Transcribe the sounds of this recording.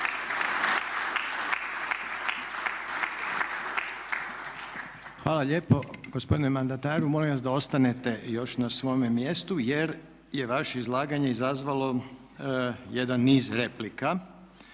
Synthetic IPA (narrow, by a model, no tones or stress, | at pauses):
xʋaːlaʎeːpo̞ɡ̥ospo̞d̪inemand̪at̪aːɾumo̞lĩʋasd̪ao̞st̪anet̪e̞jo̞ʃnasʋo̞jmemjest̪uje̞ɾ | je̞ʋaʃeizlˠaːɡaɲe̞izazʋalo̞ | jed̪anːiːzɾeplika